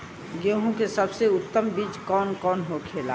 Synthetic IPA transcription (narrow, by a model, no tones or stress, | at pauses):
ɡoːɦõkesɐbseʊt̪ːəmbiːt͡ʃkɔːnkɔːnɦokʰeːla̰ː